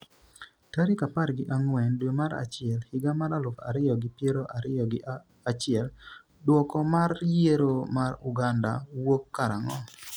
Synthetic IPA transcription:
taɾikapaɾɡɪʔaŋwɛndwemaɾa̰t͡ʃɪɛlhɪɡamaɾalʊfa̰ɾɪjɔɡɪpjeɾoʔaɾɪjɔɡɪ | at͡ʃɪɛl | dwɔkɔmarjeɾomaɾʊɡanda̰wokːaɾaŋɔ

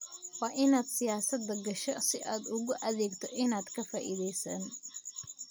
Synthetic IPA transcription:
wɑːʔɪnaːd̪sɪjaːsɐd̪ɐɡɐʃɔsɪʔaːd̪ʊɣʊʔɐðɛːɡt̪ʰɔʔɪnaːd̪kʰɐfaːʔḭðɛjsɐːn

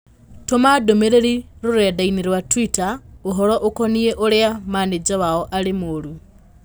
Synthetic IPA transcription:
tomadomeɾeɾiɾoɾɛdaineɾwatwitaoɦɔɾɔʔokɔnieʔoɾeamaːned͡ʒawaɔʔaɾemoɾu

